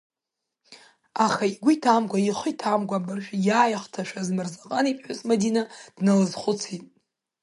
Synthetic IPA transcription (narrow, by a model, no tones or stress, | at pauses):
aχaiɡʷʊjtʰamɡʷaiχʷɨjtʰamɡʷabɨrʃᶣjaːjaχtʰaʃʷazmɨrzaqʼanipʼħʷʊt͡sʼmadinad̥nɨlɨzχʷʊt͡sʰitʼ